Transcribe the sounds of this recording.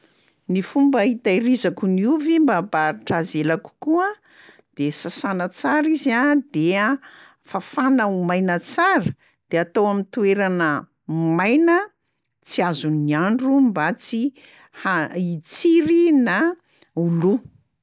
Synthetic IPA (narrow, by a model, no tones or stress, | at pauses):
nifumbəɦit̪aiɾizakuniuvimbabaɾiʈ͡ʂazelaku̥kuə | d̪̥esasanət͡saɾiziad̪ea | fafanaumajnət͡saɾə | d̪̥eat̪owamint̪ueɾanə | majnə | t͡siazuniaɳɖ͡ʐumbat͡si | hait͡siɾina | ulu